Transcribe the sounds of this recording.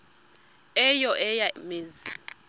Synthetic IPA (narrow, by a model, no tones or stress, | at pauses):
ɛjɔʔɛjameːzi